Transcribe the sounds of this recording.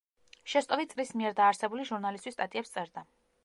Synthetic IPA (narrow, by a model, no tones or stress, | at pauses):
ʃɛst̪ʼɔvit̪sʼlismiɛɾd̪aːɾsɛbuliʒuɾnalist̪ʼwist̪ʼat̪ʼiɛpst̪sʼɛɾd̪a